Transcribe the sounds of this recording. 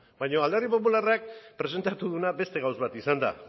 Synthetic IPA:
bajɲo̞ald̪erip̬o̞pularak̚pɾe̞se̞nt̪at̪uðunabe̞st̪e̞ɣawzβat̪isand̪a̰

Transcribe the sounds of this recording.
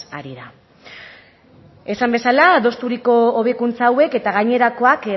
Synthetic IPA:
aɾiða | e̞sambe̞salaðo̞st̪uɾiko̞ːβekunt͡saːwe̞ke̞t̪aɣajɲe̞ɾako̞ake

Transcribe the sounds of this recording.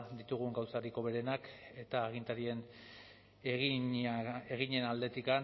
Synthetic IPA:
d̪it̪uɣ̞uŋɡawsaɾiko̞βe̞ɾe̞nake̞t̪aːɣ̞int̪aɾie̞n | eɣiɲe̞nald̪e̞t̪ikan

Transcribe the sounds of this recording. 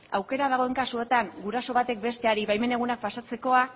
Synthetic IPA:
awke̞ɾað̞aɣ̞o̞e̞ŋkasue̞t̪aŋɡuɾaso̞β̞at̪e̞k̚be̞st̪e̞aɾiβajme̞ne̞ɣ̞unak̚pasat͡se̞ko̞a

